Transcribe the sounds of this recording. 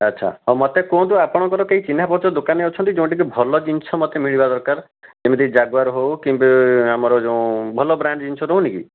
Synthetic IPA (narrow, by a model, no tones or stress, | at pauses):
atːʃʰa̰ɦɔmɔt̪ekõt̪̬uapɔɽ̃ɔkɔɾɔkeɦit͡ʃin̤apɔɾt͡ʃɔd̪okaneot͡ʃʰɔnt̪id͡ʒeũʈik̬ibʱɔlɔd͡ʒinsʰɔmɔt̪emiɭibad̪ɔɾkaɾ | d͡ʒemid̪id͡ʒaɡʋaɾɦowkimbeamɔɾɔd͡ʒeũbʱɔlɔbɾaɳɖd͡ʒinsʰɔɾownikḭ